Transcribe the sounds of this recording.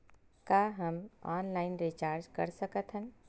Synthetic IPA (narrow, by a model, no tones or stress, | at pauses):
kaːɦɐmɔ̰ːnlaːɪnɾit͡ʃaːɾd͡ʒkɐ̰ɾsəkət̪ɦɛ̃n